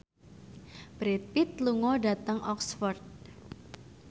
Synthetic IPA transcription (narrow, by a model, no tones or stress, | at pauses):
b̥ɾet̪̚pit̪̚luŋɔɖat̪əŋʔɔksfɔrd̪̚